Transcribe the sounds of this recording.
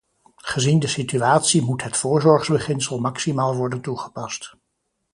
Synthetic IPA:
χəzindəsityaːtsimutɦətfʊːɹzɔɹχzbəχɪnsəlˠmɑksimaːlˠʋɔɹdəntuχəpɑst

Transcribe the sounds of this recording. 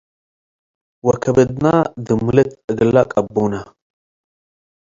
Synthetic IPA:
wɐkʰɐbɨd̪nad̪ɨmːɨlɛt̪ɨɡlːakʼɐbːunɐ

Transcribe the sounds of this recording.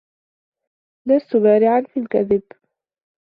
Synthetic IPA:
last̪ʊbaːɾɪʕanfiːlkaðɪb

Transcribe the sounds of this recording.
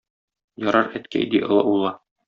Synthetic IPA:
jɒɾɑɾæt̪kæ̰jd̪iʔɤ̆lˠɤ̰ulˠɑ

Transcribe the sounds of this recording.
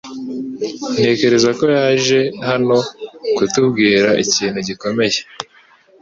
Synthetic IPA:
n̥e̞ːce̞ɾe̞zako̞jaːʒe̞hano̞kutubɡiːɾaʔiciːn̤̥huɟiko̞me̞je

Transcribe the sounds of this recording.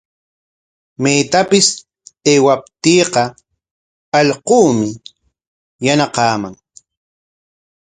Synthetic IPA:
mejt̪apɪs | eːwap̚t̪iːqɑ | ɑʎquːmɪ | janaqɑːmaŋ

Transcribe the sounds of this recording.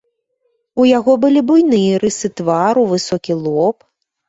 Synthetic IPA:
ujaɣɔbɨlʲibujnɨjɛɾɨsɨt̪vaɾuvɨsɔkʲilˠɔp

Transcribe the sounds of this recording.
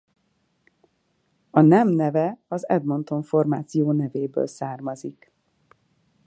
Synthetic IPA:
ɒnɛmnɛvɛɒzɛ̰d̪mo̞nt̪o̞ɱfo̞rmaːt̪sijoːnɛveːbø̰ːlsaːrmɒzik

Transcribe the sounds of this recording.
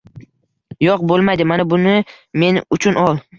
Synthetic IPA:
joq̚bolˠmajd̪ɪmanabʊnɪ | me̞nʊt͡ʃʰʊnɒlˠ

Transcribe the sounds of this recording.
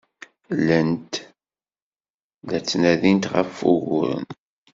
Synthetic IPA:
lənt̪ | ðæt͡sːnæðint̪ʁə̰fːʊɣʊɾə̰n

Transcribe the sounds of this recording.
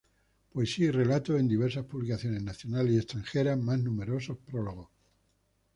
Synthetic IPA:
poesiaire̞lat̪oe̞nd̪iβ̞e̞ɾsaspuβlikaθjo̞ne̞znaθjonalie̞st̪ɾaŋxeɾazmaznũme̞ɾo̞sohpɾoloɣ̞o

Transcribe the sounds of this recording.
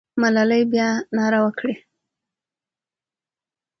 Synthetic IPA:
malaləjbjɑnɑɾawəkɽi

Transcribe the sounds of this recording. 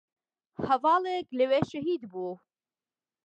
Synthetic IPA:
hɐvɑːleklɨweʃɐɦiːd̪buː

